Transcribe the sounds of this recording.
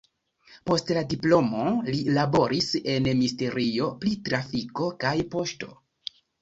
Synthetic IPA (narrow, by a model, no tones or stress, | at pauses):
po̞stladiplo̞mo̞lilabo̞ɾise̞nmiste̞ɾio̞plitɾafiko̞kajpo̞ʃto̞